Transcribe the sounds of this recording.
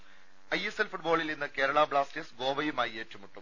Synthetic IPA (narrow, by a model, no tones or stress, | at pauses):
ɐjeselfuʈ̚boːɭilninːɨke̞ːɾɐɭaːbɭaːstesɡo̞ːʋɐjumaːjieːtːumuʈːum